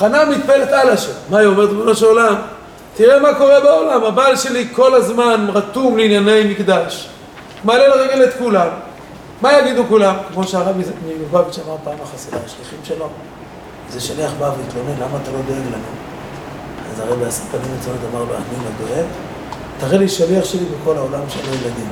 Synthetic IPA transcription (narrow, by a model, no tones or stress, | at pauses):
aχanamit̪̚pelet̪alaʃomaiomeʁt̪loʃeolam | t̪iʁemako̞ʁebaolamabaːlʃe̞liko̞lazmanʁat̪umleinjanejmikd̪aʃ | malelaʁeɡelet̪kulamː | ajaɡid̪ukulamkmo̞ʃeaʁavmiuvaviʃamaʁpaːmaχasidaaʃliχimʃelo̞ | zeʃaleaχbavilt̪lonelamaːt̪alo̞d̪o̞eɡlanṵ | azaʁebeasikanimet͡sonet̪amaʁlo̰a̰ninad̪o̞eɡ | t̪aʁeliʃaliaχʃelibeko̞laolamʃelojelad̪im